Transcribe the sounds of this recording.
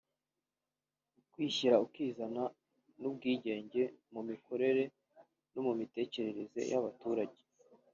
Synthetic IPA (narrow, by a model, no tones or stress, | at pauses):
ukwiːçiɾaukiːzana | nub̚ɡiːɟe̞ːɲɟe̞mumikʰo̞ɾe̞ɾe̞ | nomumite̞ːce̞ɾe̞ɾe̞ze̞̰jaβatuːɾaɟe